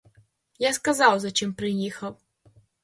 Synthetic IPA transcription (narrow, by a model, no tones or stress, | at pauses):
jaskɐzɑwzɐt͡ʃɪmpɾɪjixɐw